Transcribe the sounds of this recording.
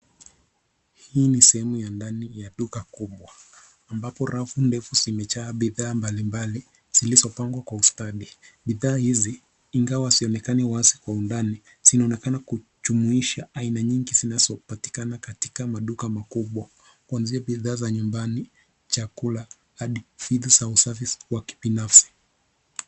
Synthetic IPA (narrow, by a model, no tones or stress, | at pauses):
hiːnisɛhɛmujandanijaɗukakuɓwa | ambapɔɾafundɛfuzimɛt͡ʃaːɓiðaːmbalimbali | z̥ilizɔpaŋɡwakwaustaɗiɓiðaːhiziː | ŋɡawasiɔnɛkaniwaasi̥kwaundani | z̥inaɔnɛkanaku | ʄumuiʃaʔainaɲiŋɡizinazɔpati̥kanakati̥kamaɗukamakuɓwa | kuanziaɓiðaːzaɲumbani | t͡ʃakula | haɗifiðuzausafiswaki̥binafsi̥